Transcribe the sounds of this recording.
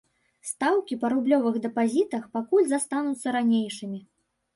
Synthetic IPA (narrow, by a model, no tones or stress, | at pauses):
st̪awkʲipɐɾublʲɔvɨɣd̪ɛpazʲit̪ɐxpakulʲzast̪anut̪sːɐɾanʲejʂɨmʲi